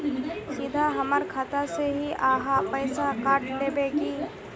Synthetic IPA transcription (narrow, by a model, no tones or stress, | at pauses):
sɪd̪ʱaɦɐməɾkʰat̪aseɦiʔaːɦapəɪsakaːʈleːbekiː